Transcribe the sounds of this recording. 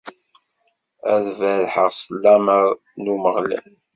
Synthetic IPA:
æ̰ðvælħəʁsˤəlːæməɾ | numəʁlæ̰l

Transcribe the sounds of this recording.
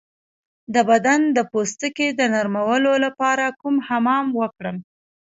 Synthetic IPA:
d̪əbad̪and̪əpost̪əked̪ənaɾmawəlolapɑɾakumhamɑmwəkɽəm

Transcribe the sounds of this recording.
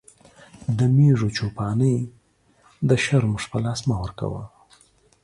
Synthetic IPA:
d̪əmeʐot͡ʃopɑnəj | d̪əʃaɾmuʐpəlɑsmawəɾka̰wə̰l

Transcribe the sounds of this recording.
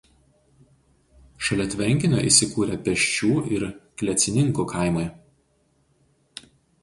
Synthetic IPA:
ʃɐlʲɛt̪ʲʋʲɛŋʲkʲɪnʲo̰ːʔḭˑsʲɪkuːɾʲɛpʲɛʃʲt͡ʃʲuːʔɪɾkʲlʲɛt̪sʲɪnʲɪŋkuːˑkʰaˑɪmɐɪ

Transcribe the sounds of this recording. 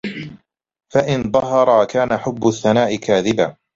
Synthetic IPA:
faʔɪnðˤɑɦɑɾˤɑkaːnaħʊbːʊθːanaːʔɪkaːðɪbaː

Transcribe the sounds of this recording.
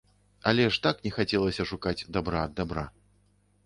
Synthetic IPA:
ɐlʲɛʂt̪aknʲɛxat͡sʲɛlˠɐsʲɐʂukad͡zʲd̪abɾad̪ːabɾa

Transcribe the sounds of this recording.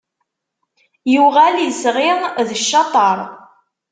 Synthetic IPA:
juʁæliəsʁɪðəʃːɑt̪ˤɑɾˤ

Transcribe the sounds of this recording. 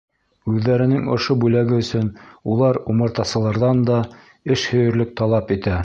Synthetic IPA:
ʉðːæɾɘ̆nɘŋŏ̰ʃobʉlæɡɘɵ̆sɵnulˠɑɾumɤ̆ɾt̪ɑsɤ̆lˠɑɾðɑnd̪ɑ | ɘʃhɵ̆jɵ̆ɾlɵk̚t̪ɑlˠɑpit̪æ

